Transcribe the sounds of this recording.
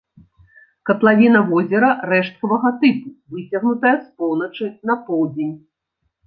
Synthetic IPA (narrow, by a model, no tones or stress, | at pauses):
kɐt̪lˠavʲin̪ɐvɔzʲɛɾɐrɛʂt̪̚kɐvɐɣɐt̪ɨpuvɨt͡sʲɐɣnut̪ɐjɐspɔwnɐt͡ʂɨn̪ɐpɔwd͡zʲenʲ